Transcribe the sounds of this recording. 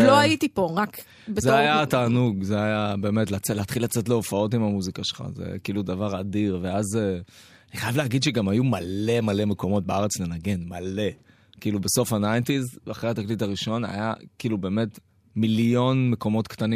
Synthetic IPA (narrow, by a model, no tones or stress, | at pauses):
loaitipo̞ʁak | beszeajat̪aːnuɡzeajabe̞ːme̞tlat͡seleat̪χilat͡setleofao̞timamuzikaʃelχa̰zḛkiːlud̪avaʁadiʁveaze | aniχajavleːɡid̪ʃeɡamajumale̞male̞me̞ko̞mo̞t̚beaʁet͡snenaɡe̞nmale̞ | kiːlubeso̞fanajntizaχʁeat̪aklitaʁiʃo̞na̰jakiːlube̞ːme̞t | miljo̞nmeko̞mo̞tkt̪ani